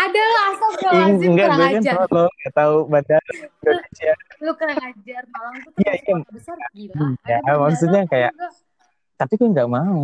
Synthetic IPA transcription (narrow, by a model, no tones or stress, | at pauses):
adalaasaŋŋɡaʔɡuakanauloŋɡaʔt̪aubandaindonesialokəɾaŋad͡ʒarmalaijaijaajamaksut̪̚ɲakaja̰ʔ | t̪apikaŋɡaʔmau